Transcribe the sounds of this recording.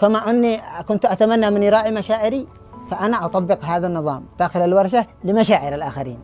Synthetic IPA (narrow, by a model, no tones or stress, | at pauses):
kamaʔanːikʊnt̪ʔat̪amanːamɪnɾˤɑːʕimaʃaːʕɪɾi | faʔanaʔɑt̪ˤɑbːɪqɦaːðanːɨðˤɑ̰ːmd̪̥aːxɪlalwɑɾˤʃalɪmaʃaːʕɪɾalʔaːxaɾḭːn